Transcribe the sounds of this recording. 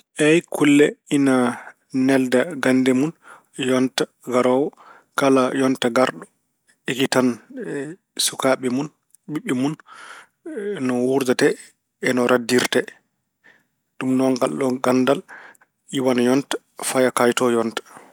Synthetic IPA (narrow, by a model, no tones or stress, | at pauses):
ʔɛjkʰulːɛina | nɛldaɡandɛmun | jɔnta | ɡaɾɔw | kalajɔntaɡaɾɗɔ | ikitan | sukaɓɛmun | ɓiɓːɛmun | nɔwuɾdatɛː | nɔɾʔadːiɾtɛ | ɗumnɔŋɡalɗɔɡandal | iwanjɔntḁ | fajakajtɔjɔntḁ